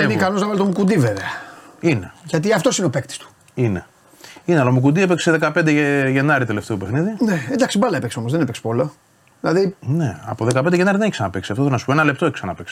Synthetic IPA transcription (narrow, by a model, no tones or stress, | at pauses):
mikɐnoznɐvɐlet̪omukund̪iveveɐine̞ʝɐt̪iɐft̪o̞sineopekt̪i̥st̪u̥ | ine̞ | inealɐomuk̬und̪iepekseðe̞kɐped̪eeʝe̞nɐɾit̪eleft̪eupexniðinend̪ɐksibɐlɐepekseoo̞zðenipekspolɐ | ðilɐðineɐ̰poðekɐpend̪eʝenɐɾiðeneç̥senɐpeksiɐft̪oθelnɐsu̥poenɐle̞pt̪oeçisɐnɐpeks